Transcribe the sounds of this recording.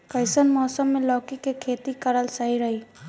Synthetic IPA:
kəɪsənmɔːsəmːelɔːkikekʰeːt̪ikəɾəlsəɦiɾəɦi

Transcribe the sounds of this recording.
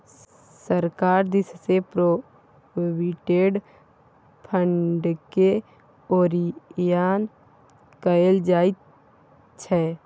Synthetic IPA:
səɾkaːɾd̪ɪssepɾo | wiʈeːɖ | pʰə̃ɳɖke | oːɾijaːn | kəeld͡ʒaːit̪ | t͡ʃʰɛː

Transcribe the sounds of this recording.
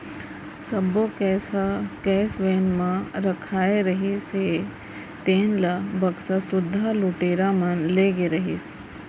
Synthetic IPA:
sɐbokɛːsakɛːsʋeːnmãɾɐkʰaːeɾɐɦise | t̪eːnlɐbɐksasʊd̪ʱːalʊʈeːɾamɐnleːɡeɾɐɦḭs

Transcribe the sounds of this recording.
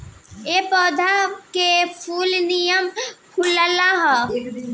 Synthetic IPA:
epɔːd̪ʱakepʰuːlnijəmpʰuləlaɦ

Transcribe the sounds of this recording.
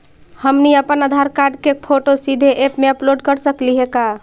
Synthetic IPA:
həmniəpənad̪ʱaɾkaɾɖkepʰoʈosid̪ʱeʔepmeəploɖkəɾsəkliɦeka

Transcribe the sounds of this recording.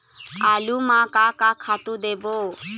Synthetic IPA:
alumakakakʰat̪ud̪ebo

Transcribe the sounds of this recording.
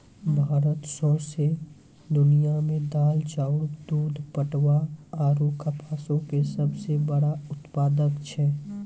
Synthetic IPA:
bʱaːɾət̪soɾse | d̪ʊnijamẽd̪aːlt͡ʃaʊɽd̪uːd̪ʱpəʈʋaaɾukəpasõkesəbʱsebəɽaʊt̪paːd̪əkt͡ʃʰɛ

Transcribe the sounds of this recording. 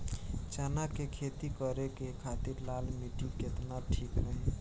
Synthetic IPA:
t͡ʃanakekʰet̪ikəɾekekʰat̪iɾlalmiʈiket̪naʈʰikɦəj

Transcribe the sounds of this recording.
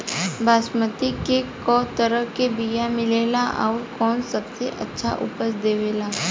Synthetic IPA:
baːsmət̪ikekɔːt̪əɾəkebijamɪleːlaʔɔːɾkɔːnsɐbseʔɐtːʃʰa̰ʔʊ̰pəsd̪eːʋeːlaː

